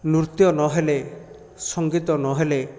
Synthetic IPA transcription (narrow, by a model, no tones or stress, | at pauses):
nuɾt̪jɔnɔɦele | sɔŋɡit̪ɔnɔɦele